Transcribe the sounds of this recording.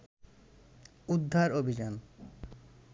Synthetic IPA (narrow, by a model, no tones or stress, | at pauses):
ud̪ʱːaɾobʱid͡ʑan